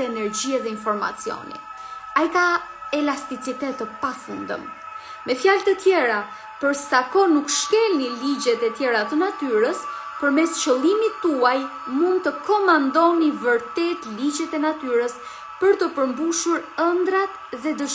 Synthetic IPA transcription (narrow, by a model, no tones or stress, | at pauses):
ɛnɛɾd͡ʑiaðɛinfɔɾma̰t͡sijɔ̰nḭ | ajkaɛlast̪it͡sit̪ɛt̪əpafund̪ə̰m | mɛfjalt̪ət̪jɛɾa | pəɾsakɔnukʃkɛlnilid͡ʑɛt̪ɛt̪jɛɾat̪ənat̪yɾəs | pəɾmɛst͡ɕəlˠimit̪uaj | mund̪̚t̪əkɔmand̪ɔnivəɾt̪ɛt̪lid͡ʑɛt̪ɛnat̪yɾəs | pəɾt̪əpəɾmbuʃuɾənd̪ɾat̪ðɛd̪əʃ